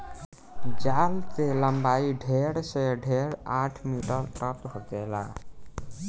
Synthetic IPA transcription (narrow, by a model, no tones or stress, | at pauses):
d͡ʒaːlt̪eləmbaːiɖʱeːɽseɖʱeːɽaːʈʰmiːʈəɾʈət̪ɦot̪ela̰ː